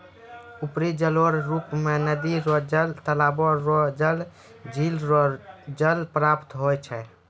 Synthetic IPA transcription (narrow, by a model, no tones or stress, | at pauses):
upɾid͡ʒələɾɾupmenəd̪iɾɔd͡ʒəlt̪əlabɔɾɔd͡ʒəl | d͡ʒʱilɔd͡ʒəlpɾapt̪ɦojt͡ʃʰɛ